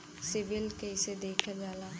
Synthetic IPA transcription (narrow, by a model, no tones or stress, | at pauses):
sɪʋɪlkesed̪eːkʰad͡ʒaːlaː